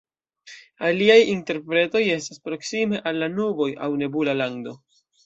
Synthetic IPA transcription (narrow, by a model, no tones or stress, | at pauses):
aliajinte̞ɾpɾe̞to̞je̞staspɾo̞ksime̞ʔalːanubo̞jawne̞bulalaŋdo̞